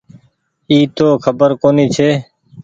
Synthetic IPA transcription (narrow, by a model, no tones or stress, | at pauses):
iːt̪oːkʰəbəɾkoːniːt͡ʃʰeː